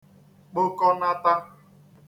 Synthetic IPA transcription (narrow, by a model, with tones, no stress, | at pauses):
k͡pʊ˦kɔ˦na˦ta˦